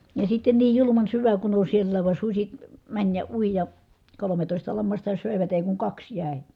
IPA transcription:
jɑ sitːen niːj julumɑn syʋæ kun on sielːæːʋ ʋɑn susʲi mænʲ jɑ ui jɑ kolometoˑistɑ lɑmːɑstɑ søˑeʋæt eˑi kuŋ kɑks jæˑi̯

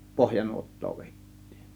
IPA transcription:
pohjɑnuotːoː ʋeˑitːi̥ːn̥

